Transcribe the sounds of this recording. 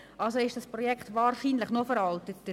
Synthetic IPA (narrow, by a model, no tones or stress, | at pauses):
ʔɑlsoɪʃd̥ɑspʁɔjɛkχtvaːɾʃiːnlɪχnofəɾɑltət